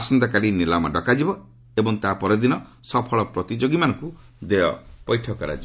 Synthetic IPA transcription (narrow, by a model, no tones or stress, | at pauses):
asɔnd̪ɔkaɾinilamɔɖɔkad͡ʒibɔ | ebɔŋt̪apɔɾed̪inɔ | sɔpʰɔɭɔpɾɔt̪id͡ʒoɡimanɔŋku | d̪eɔpɔjʈʰɔkɔɾa̰d͡ʒibɔ